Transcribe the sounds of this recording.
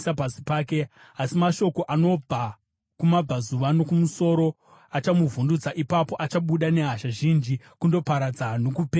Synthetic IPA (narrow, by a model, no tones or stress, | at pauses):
sapasi̥paːke̞ | asimaʃo̞ko̞ʔano̞b͡va | kumab͡vazuʋano̞kumuso̞ːɾo̞ | at͡ʃamuvundud͡zaʔipapo̞ʔat͡ʃaɓuɗane̞ɦaʃaʒind͡ʒi | kundo̞paɾad͡zanokupe